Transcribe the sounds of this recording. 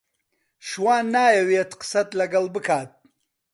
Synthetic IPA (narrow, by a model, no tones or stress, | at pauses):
ʃwaːnːaːjawet̪qə̥sɐt̪lɐɡɐlbɨkʰaːt̪̚